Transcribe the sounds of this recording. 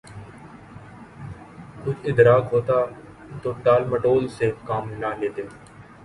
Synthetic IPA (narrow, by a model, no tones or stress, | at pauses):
kʊt͡ʃʰɪd̪ɾaːkɦoːt̪aː | t̪oːʈaːlməʈoːlsekaːmnaːleːt̪eː